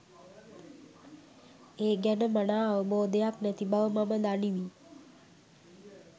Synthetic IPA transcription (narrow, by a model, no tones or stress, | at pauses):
eːɡænəmanaːʋəboːd̪ejaknæt̪ibaʋəmaməd̪aniʋi